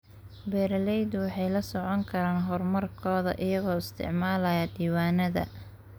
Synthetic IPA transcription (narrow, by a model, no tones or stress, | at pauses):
bɛːɾɐlɛjd̪wɑħɑjlɐsɔʕɔŋkʰɐɾaːnɦɔrmɐrkʰɔːðɐ̰ʔɪjɐɣɔːɪst̪ʰɪ̰ʕmaːlɐjɐd̪iːwaːnɐðɐ̰